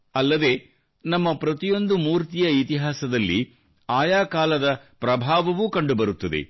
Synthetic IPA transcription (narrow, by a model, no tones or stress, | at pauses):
ɐlːɐd̪e̞ː | nɐmːɐpɾɐt̪ijo̞nd̪umuːɾt̪ijɐit̪iɦaːsɐd̪ɐlːi | aːjaːkaːlɐd̪ɐpɾɐbʱaːʋɐʋukɐɳɖubɐɾut̪ːɐd̪ḛ